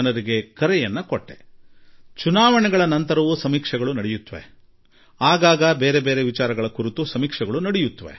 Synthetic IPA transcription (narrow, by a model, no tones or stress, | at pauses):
ɐnɐɾiɡe̞kɐɾɛjɐnːɐkoʈːḛ | t͡ʃunaːʋɐɳɛɡɐɭɐnɐnt̪ɐɾɐʋusɐmiːkʂɐɡɐɭunɐɽɛjut̪ːɐʋe̞̰ | aːɡaːɡɐbeːɾebeːɾeʋit͡ʃaːɾɐɡɐɭɐkuɾit̪usɐmiːkʂɐɡɐɭunɐɽɛjut̪ːɐʋe̞̰